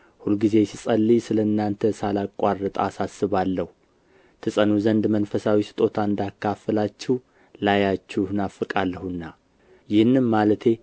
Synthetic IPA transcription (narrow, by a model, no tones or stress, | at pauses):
hulɡize̞sisʼəlːisɨləɨnːant̪ʰəsalakʷʼarːət̪ʼa̰sasːɨβalːəhu | t̪ʰɨsʼənuzənd̪mənfəsawisɨ̥t̪ʼo̞t̪ʰaɨnd̪akʰːafəlat͡ʃːɛh | lajat͡ʃːuhɨnafɨkʼalːəhunːa | jɪhɨnːɨnmalət̪ʰe̞